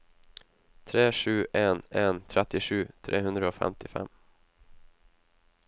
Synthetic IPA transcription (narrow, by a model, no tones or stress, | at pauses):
t̪ʰɾeːʂʉ̟ːʔɛnɛnt̪ʰɾɛt̪ːɪɧʉ̟ːt̪ʰɾʔeːɦɵnd̪ɾaɔfɛ̰mt̪ʰɪfɛ̰mː